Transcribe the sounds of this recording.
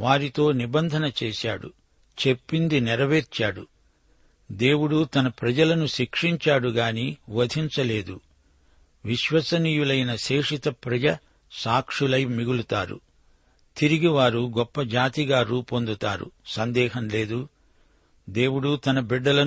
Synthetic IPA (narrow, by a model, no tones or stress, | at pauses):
ʋaːɾit̪o̞ːnibɐnd̪ʱɐnɐt͡ʃeːsaːɽṵ | t͡ʃe̞pːind̪inɛɾɐʋeːɾt͡ʃaːɽu | d̪e̞ːwuɽut̪ɐnɐpɾɐd͡ʒɐlɐnuʃikʂiɲt͡ʃaːɽuɡaːniːʋɐd̪ʱiɲt͡ʃɐle̞ːd̪u | ʋiʃʋɐsɐniːjulɐjnɐʃeːʂit̪ɐpɾɐd͡ʒɐ | saːkʂulɐjmiɡulut̪aːɾṵ | t̪iɾiɡiʋaːɾuɡɔpːɐd͡ʒaːt̪iɡaːɾuːpond̪ut̪aːɾṵsɐnd̪ɛːɦɐmle̞ːd̪u | d̪e̞ːwuɽut̪ɐnɐbiɖːɐlɐ